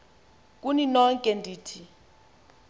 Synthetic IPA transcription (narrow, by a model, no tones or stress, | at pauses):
k̬ʼuninɔŋkʼɛndʱiːtʰi